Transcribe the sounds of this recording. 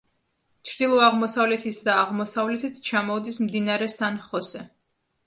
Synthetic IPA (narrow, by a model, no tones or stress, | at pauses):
t͡ʃʰɾd̪ilˠɔaʁmɔsavlɛt̪ʰit̪ʰd̪aːʁmɔsavlɛt̪ʰit̪ʰt͡ʃʰamɔvd̪ismd̪inaɾɛsanχɔsɛ